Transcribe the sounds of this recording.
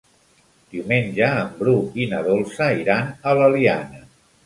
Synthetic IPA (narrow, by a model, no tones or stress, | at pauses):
d̪̥iumenʲd͡ʒəːmbɾuinəðolˠsəiɾanələlianə